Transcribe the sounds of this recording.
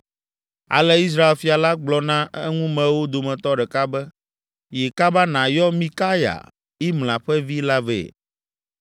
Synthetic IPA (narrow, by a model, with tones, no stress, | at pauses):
a̰˨lɛ˦i˦s̬ɾa˦e˨lfi˨a˨la˦ɡ͡blɔ˨nã˦ɛ˦ŋũ˦mɛ̃˨wo˦d̪o˨mɛ̃˨t̪ɔ˦ɖɛ˨ka˦bɛ˦ | jɛ˨ka˦ba˦nã˨jɔ˦mĩ˦ka˦ja̰˨ | i˦ml̃ã˨ɸɛ˦vi˦la˦vɛ̰˨